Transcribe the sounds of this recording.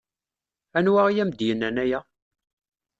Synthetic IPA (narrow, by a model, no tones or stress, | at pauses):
ænwæʁijæmd̪jənːænæjæ